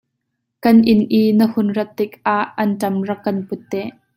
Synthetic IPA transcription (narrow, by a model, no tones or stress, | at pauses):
kɐnʔɪnʔiːnəhʊnrɐt̪ːɪkʔaʔːɐntɐmrɐkːɐnpʊt̪ːɛʔ